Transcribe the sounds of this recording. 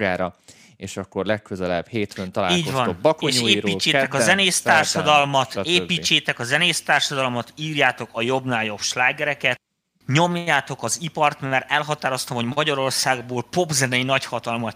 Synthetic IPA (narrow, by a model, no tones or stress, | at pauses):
ɡaːɾɒ | eːʃɒkːo̞rlɛkkøzɛlɛ̰b̥heːt̪fønt̪ɒlaːliːɟovɒnobːɒkkoeːɲʃeːɾiːt͡ʃːeːt̪ɛkɒzɛneːst̪aːrʃɒd̪ɒlmɒt̪eːpiːt͡ʃːeːt̪ɛkɒzɛneːst̪aːrʃɒd̪ɒlomɒt̪iːrjaːt̪o̞kɒjo̞bnaːljo̞bʃlaːɡɛɾɛkɛt̪̚ | ɲo̞mjaːt̪o̞kɒzipɒrt̪mɛɾɛlɦɒt̪aːɾo̞st̪ɒmɦo̞ɟmɒɟɒɾo̞rsaːɡboːlpo̞bzɛnɛinɒchɒt̪ɒlmɒ